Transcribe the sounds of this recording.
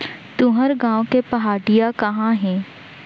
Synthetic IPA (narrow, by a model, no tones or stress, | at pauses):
t̪ʊ̃ɦəɾɡãːʋkepɐɦaːɖijakɐɦãɦẽː